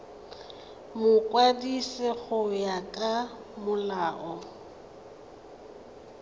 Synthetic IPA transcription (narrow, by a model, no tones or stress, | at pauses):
mʊkʼwadisɪɣʊjakʼa | mʊlaːʔɔ